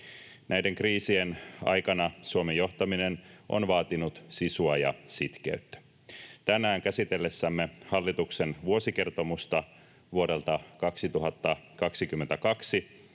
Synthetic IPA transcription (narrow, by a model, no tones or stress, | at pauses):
nʔæjdeŋkriːsienɑ̰jkɑnɑsuomejo̞ht̪ɑminenʔo̰nʋɑːt̪inut̪sisuɑjɑ̰sit̪k̟ḛyt̪ːæ̥ | t̪ænæːŋkæsit̪elːesːæmːehɑlːit̪uksenʋuo̞sike̞rt̪o̞must̪ɑ | ʋuoɾe̞lt̪ɑkɑksit̪uɦɑt̪ːɑkɑksikymːent̪ækɑksi